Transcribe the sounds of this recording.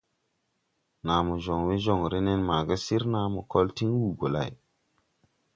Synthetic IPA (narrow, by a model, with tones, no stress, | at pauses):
na˨mu˨ʒo˨ŋwe˦ʒo˨ŋɾe˦ne˦nma˨ɡə˦si˦ɾna˨˦mu˨ko˦lti˦ŋwu˨ɡo˨la̰˨j